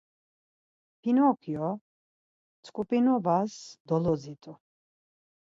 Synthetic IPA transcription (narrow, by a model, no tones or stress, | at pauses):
pʰinɔkʰjɔ | t͡sʼkʼupʼinɔvasd̪ɔlɔzit̪ʼɔ